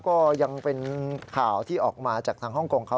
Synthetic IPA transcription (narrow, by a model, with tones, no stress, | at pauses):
kɔː˥˩ja˧ŋpe˧nkʰaː˨˩wt̪ʰiː˥˩ʔɔː˨˩k̚maː˧t͡ɕaː˨˩k̚t̪ʰaː˧ŋɦɔ˥˩ŋkoː˧ŋkʰa˦˥